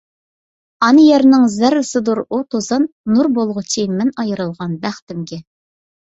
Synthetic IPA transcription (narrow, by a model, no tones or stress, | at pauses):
ɑnɨjɛɾnɪŋzæɾɨsɨd̪oɾot̪uzɑnːuɾbolˠʁʊt͡ʃʰimɪnɑjɤɾɨlˠʁɑnbæχt̪ɪmɡʲɪ